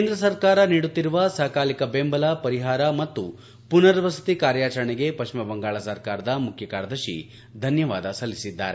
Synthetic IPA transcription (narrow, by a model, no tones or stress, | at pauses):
keːnd̪ɾɐsɐɾkaːɾɐniːɽut̪ːiɾuʋɐsaːkaːlikɐbeːmbɐlɐpɐɾiɦaːɾɐmɐt̪ːu | punɐɾɐʋɐsɐ̥t̪ikaːɾjaːt͡ʃɐɾɐɳɛɡe̞pɐʂmɐbɐŋɡaːɭɐsɐɾkaːɾɐd̪ɐmukʰjɐkaːɾɐd̪ɐʃḭ | d̪ʱɐnjɐʋaːd̪ɐsɐlːisid̪ːa̰ːɾe